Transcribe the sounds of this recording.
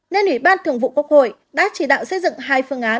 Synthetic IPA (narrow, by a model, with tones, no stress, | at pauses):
ne˧nʔwi˧˩ɓaː˧nt̪ɨ˨˧˩əŋvṵ˧˨ku˦˥ək̚ho̰˧˨j | ɗa̰ː˧˥t͡ɕi˧˩ɗa̰ː˧˨wsə˧jzɨ̰˧˨ŋɦaː˧jfɨ˧əŋʔaː˨˦